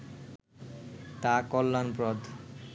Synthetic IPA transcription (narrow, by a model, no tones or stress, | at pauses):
t̪akɔlːanpɾɔd̪